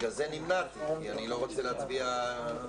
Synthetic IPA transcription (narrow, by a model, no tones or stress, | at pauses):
ɡazenimnat̪kianilo̞ʁot͡seleat͡sbia